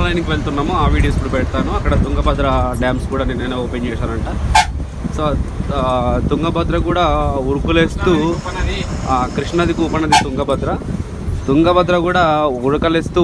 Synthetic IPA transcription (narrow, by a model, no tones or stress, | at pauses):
lɐjnikiʋeɭt̪unːaːmoaːʋiːɽijospuɽɐpɛɽɐt̪aːnuɐkːɐɽɐt̪uŋɡɐbɐd̪ɾɐɖaːmskuːɽaːneneneːoːpeɲt͡ʃɛːʂaːlɐɳʈa | soː | t̪uŋɡɐbɐd̪ɾɐkuːɽaːuɾukule̞ːst̪uː | kɾiʂɳɐd̪ikuːpɐnɐd̪it̪uŋɡɐbɐd̪ɾɐ | t̪uŋɡɐbɐd̪ɾɐkuːɽaːuɾɐkɐlest̪uː